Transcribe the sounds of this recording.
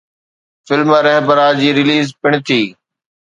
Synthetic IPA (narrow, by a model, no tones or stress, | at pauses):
fɪlməɾɛɦbəɾaːd͡ʑiːɾɪliːzpɪɳ̃t̪ʰiː